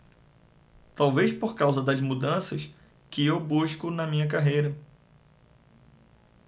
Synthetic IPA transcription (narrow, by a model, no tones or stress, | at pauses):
t̪awvejspoɾkawzɐd̪ɐzmud̪ɐ̃sɐs | kɪewbuʃkʊnɐmĩɲɐk̬aɦejɾɐ